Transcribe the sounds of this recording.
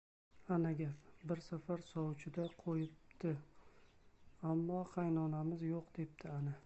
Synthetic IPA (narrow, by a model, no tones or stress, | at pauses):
anaɡʲapbɪɾsafaɾsɒwt͡ʃʰɪd̪aqʰojɪp̚t̪ɪ | amːɒχajnɒnamɪzjoqd̪̥e̞p̚t̪ʰɪana